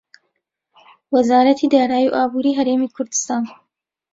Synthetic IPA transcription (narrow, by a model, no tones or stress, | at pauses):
wɐzaːɾɐt̪ʰid̪aːɾaːjiʔaːbuːɾiːɦɐɾeːmiːkʰʊɾd̪ɨst̪aːn